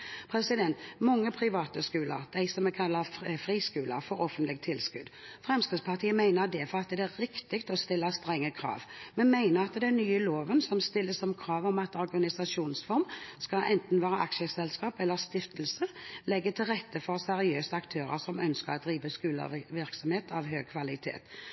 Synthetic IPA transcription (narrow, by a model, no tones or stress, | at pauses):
pʰɾɛsɪd̪ɛnt̪mɔŋːəpʰɾɪʋɑːt̪əskʉːlə̰ɾd̪æɪsɔmɛkʰɑlːəɾfɾiːskʉːlə̰ɾfɔɾɔfənt̪lɪɡ̚t̪ʰɪlskʉ̰d̪fʁɛmskɪd̪spʰɑʁt̪ʰiːəmæɪnəɾd̪ɛfɔʁɑt̪d̪ɛæɾɪkt̪ɪkt̪ɔst̪ɪlːəst̪ɾɛŋːəkʰɾɑ̰ːʋmɛnmæɪnəɾɑt̪d̪ɛnːyːəloːʋənsɔmst̪ɪlːəsɔmkʰɾɑːʋɔmɑt̪ɔɾɡɑnɪsɑʂuːnsfɔɾmskɑlʔɛnt̪n̩ʋæːɾəʔɑ̰kʃəsɛlskɑːpɛlːəʁst̪ɪft̪lsəlɛɡːət̪ʰɪlʁɛt̪ːəfɔʁsɛɾɪøːsəɑkt̪ʰøːɾə̰ɾsɔmœnskəʁɔd̪ɾiːʋəskʉːlə̰ʋɪʁksɔmheːt̪ʰɑʋɦhøːɡ̚kʰʋɑlɪt̪ʰḛːt̪